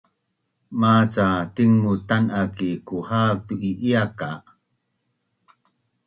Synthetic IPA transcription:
mat͡satiŋːutanakikuhatuʔiʔiaka

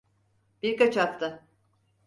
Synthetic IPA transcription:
b̥iɾkat͡ʃak̚t̪ʰɯ

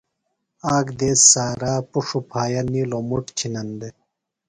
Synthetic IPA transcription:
aːkd̪eːsːaːɾaːpuʂupʰaːjɐniːlomuʈt͡ɕʰinɐnd̪e

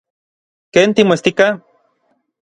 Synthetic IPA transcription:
keːnt̪imoest̪ika

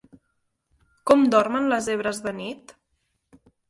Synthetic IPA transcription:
kɔmd̪ɔrmənləzeβɾəzðənit̪

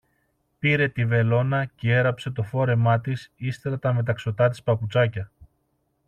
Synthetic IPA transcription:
piɾe̞t̪ive̞lo̞nɐcee̞ɾɐpse̞t̪o̞fo̞ɾe̞mɐt̪isist̪eɾɐt̪ɐme̞t̪̬ɐkso̞t̪ɐt̪̬i̥spɐput͡sɐcɐ

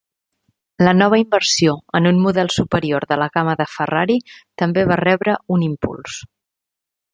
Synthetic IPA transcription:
lənɔβ̞əimbəɾsioənunmuðɛlˠsupəɾioɾðələɣaməðəfəraɾit̪əmbeβ̞arɛβɾəunimpṵlˠs

